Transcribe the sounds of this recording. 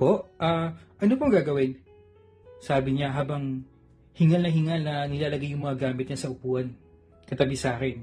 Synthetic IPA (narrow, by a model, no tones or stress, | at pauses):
po̞ʔʔaːʔɐnopoŋɡaːɡɐwɪn | saːbɪɲaɦaːbɐŋ | hɪŋɐlnɐɦɪŋɐlnɐnɪlaːlɐɡajːʊŋmɐŋɐɡaːmɪt̪ɲɐnsɐʔʊpuːʔɐn | kɐt̪ɐbɪsaːkɛn